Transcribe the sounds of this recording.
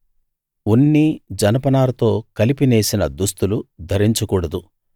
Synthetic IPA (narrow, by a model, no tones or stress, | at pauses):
unːid͡ʒɐnɐpɐnaːlɐt̪o̞ːkɐlipine̞ːsinɐd̪ust̪ulud̪ʱɐɾiɲt͡ʃukuːɽɐd̪u